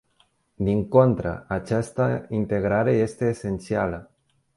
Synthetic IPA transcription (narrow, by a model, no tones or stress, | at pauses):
d̪iŋko̞nt̪ɾə̰at͡ʃast̪əint̪e̞ɡɾaɾe̞je̞st̪e̞ːse̞nt̪sialə